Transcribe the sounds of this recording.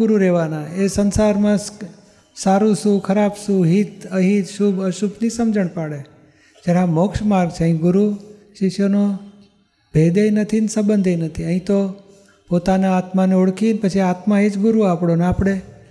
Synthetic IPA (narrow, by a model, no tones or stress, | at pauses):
ʊɾuɾeʋanãesənsaɾmãs | saɾũsukʰəɾabsuɦit̪əɦit̪ʃubəʃubnisəmd͡ʒəɳ̃paɽe | d͡ʒaɾamokʃmaɾɡt͡ʃʰeəɦĩɡʊɾu | ʃɪʃjono | bʱed̪ejnət̪ʰinsəbənd̪ʱejnət̪ʰiəɦĩt̪o | pot̪anaːt̪maneoɽkʰinpət͡ʃʰiat̪mãed͡ʒɡʊɾuapɽonapɽ̃e